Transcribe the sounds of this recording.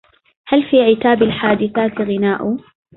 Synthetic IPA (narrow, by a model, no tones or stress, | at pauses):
halfiːʕɪt̪aːbalħaːd̪ɪθaːt̪ɣɪnaːʔʊ